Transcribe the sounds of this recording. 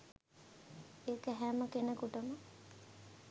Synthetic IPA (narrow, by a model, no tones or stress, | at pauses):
eːkæɦæməkenəkuʈəmə